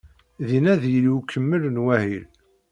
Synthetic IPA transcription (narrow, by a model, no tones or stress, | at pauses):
ðinæðjəliwkʰːəmːəlnwæhil